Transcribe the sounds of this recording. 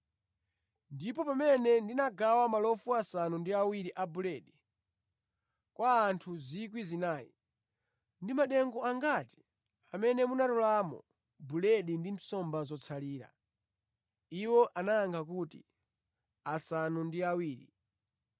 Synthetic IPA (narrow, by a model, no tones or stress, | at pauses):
ndipɔpamɛnɛndinaɡawamalɔfuasanundiawiɾiʔabulɛːɗi | kwʔaːntʰuzik̬wizinaːjḭ | ndimaɗɛŋɡɔaŋɡati̥ | amɛnɛmunatɔlaːmɔ̰ | bulɛɗindim̩sɔmbazɔt͡sʰaliːɾa̰ | iwɔʔanaːŋkʰak̬utḭ | asanundiawiːɾḭ